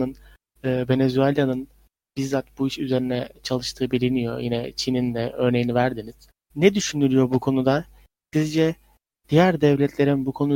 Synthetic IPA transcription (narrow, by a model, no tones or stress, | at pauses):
ɯn | ɯːve̞nezyelʲjanɯn | b̥izːat̪̚buiʃyze̞ɾinɛt͡ʃʰalˠɯʃt̪ʰɯːbilʲinijo̞̰jinɛt͡ʃʰinind̪ɛø̞ɾne̞jinivæɾd̪iniz̥ | nɛd̪yʃynyɾʲyjo̞bukʰo̞nud̪a | sizd͡ʒɛ | d̪̥ijæɾd̪ɛvlʲɛt̪ʰlʲe̞ɾinbukʰo̞nu